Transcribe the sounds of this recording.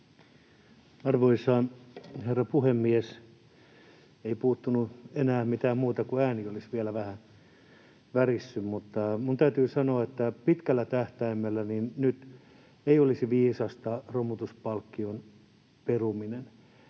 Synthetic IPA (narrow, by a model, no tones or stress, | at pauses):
ɑrʋoisɑːnherːɑpuhemːies | eipuːt̪ːunuenæːmit̪æːmmuːt̪ɑkuæːniolisʋielæʋæhæ | ʋærisːymmut̪ːɑmunt̪æyt̪yːsɑnoɑet̪ːæpit̪kælːæt̪æht̪æimːelːæninnyt̪ | eiolisiʋiːsɑst̪ɑromut̪uspɑlkːion | peruminen